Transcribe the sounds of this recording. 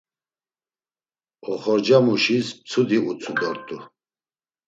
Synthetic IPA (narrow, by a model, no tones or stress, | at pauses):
ɔχɔɾd͡ʒamuʃisp̚t͡sʰud̪iut͡sʰud̪ɔɾt̪ʼu